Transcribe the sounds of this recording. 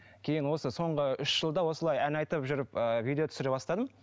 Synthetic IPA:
kʲʰe̞jɪnwo̞səso̞ɴʁəʏʃʒ̥əlˠd̪ɑwo̞səlˠɑjænɑjt̪əpʒʏɾɪpəvid̪eot̪ʏ̥sɪɾebɑst̪ɑd̪əm

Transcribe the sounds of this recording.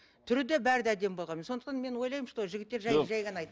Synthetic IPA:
t̪ʰʏɾɪd̪ebæɾɪd̪æd̪e̞mbolˠʁɑnmeso̞nd̪əqt̪ɑnme̞nwo̞jlˠɑjmʃt̪oʒɪɡʲɪt̪ːe̞ɾʒæʒæjʁɑnɑjt̪

